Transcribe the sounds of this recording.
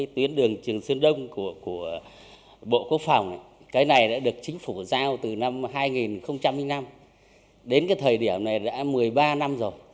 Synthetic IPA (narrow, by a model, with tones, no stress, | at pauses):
t̪wi˨˦ənɗɨ˨˩əŋt͡ɕɨ˨˩əŋsɨ˧ənɗə˧wŋ͡mku˧˩ku˧˩ə | ɓo̰˧˨ku˦˥ək̚fa˨˩wŋ͡mʔa̰˧˨ | kaː˨˦jna˨˩jɗa̰ː˧˥ɗɨ˨˩ək̚t͡ɕï˨˦ŋ̟fu˧˩zaː˧wt̪ɨ˨˩na˧mɦaː˧jŋi˨˩nxə˧wŋ͡mt͡ɕa˧mːi˧˦ŋna˧m | ɗe˨˦nkaː˨˦jt̪ʰəː˨˩jɗi˧˩əwna˨˩jɗa̰ː˧˥mɨ˨˩əjɓaː˧na˧mzo˨˩j